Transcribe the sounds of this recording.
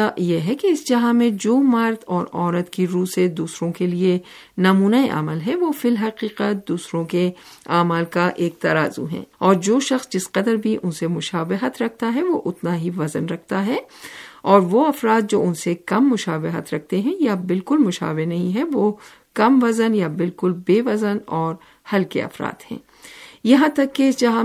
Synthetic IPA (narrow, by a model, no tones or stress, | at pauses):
ajeɦɛkeɪsd͡ʒɐɦãmẽd͡ʒoːmɐɾt̪ʰɔːɾɔːɾət̪kiɾuːsed̪uːsɾõkelie | nɐmuːnaeʔa̰məlɦɛʋofɪlɦɐqiːqəd̪uːsɾõkeaːmaːlkaʔeːk̚t̪ɐɾa̰ːzṵɦɛ̰̃ːɔːɾd͡ʒoːʃɐxsd͡ʒɪsqɐd̪əɾbʱiʔʊnsemʊʃaːʋɪɦət̪ɾɐk̚ʰt̪aɦɛʋoʔʊt̪naɦiʋɐzənɾɐk̚ʰt̪aɦɛ | ɔːɾʋoɐfɾaːt̪̚d͡ʒoːʊnsekɐmːʊʃaːʋɪɦə̰t̪ɾɐk̚ʰt̪eɦɛ̃jabɪlkʊlmʊʃa̰ːʋɪnɐɦĩɦɛʋoː | kɐmʋɐzənjabɪlkʊlbeːʋɐzənɔːɾ | hɐlkḛɐ̰fɾa̰ːt̪hɛ̰̃ː | jɐɦãt̪ɐkːed͡ʒɐɦã